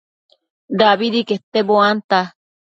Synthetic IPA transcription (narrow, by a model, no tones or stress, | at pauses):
daβiɾikeht̪eboant̪a